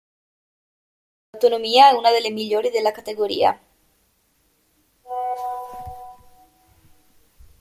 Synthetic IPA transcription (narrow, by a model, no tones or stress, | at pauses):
awt̪onõmiaesunaðelezmiʎoɾezðelakat̪eɣoɾḭa̰